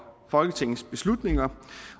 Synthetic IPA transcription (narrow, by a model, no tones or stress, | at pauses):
fɒ̽lɡ̥ət͡sʰe̝ŋn̩sb̥e̝slud̥ne̝ŋɐ